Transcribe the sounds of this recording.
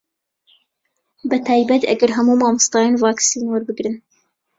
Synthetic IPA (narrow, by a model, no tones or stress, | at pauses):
bɐt̪ʰɑːjbɐt̪ɐ̰ɡɐɾɦɐmuːmɑːmɨst̪ɑːjɑnvɑːksiːnwaɾbɨɡɾɨn